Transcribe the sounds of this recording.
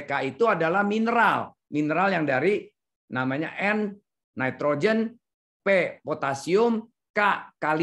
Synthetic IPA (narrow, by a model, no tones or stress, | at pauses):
kait̪uadalahminəɾal | minəɾaljaŋdaɾi | namaɲa̰ʔɛn | nait̪ɾod͡ʒən | pepot̪asiʊm | kakal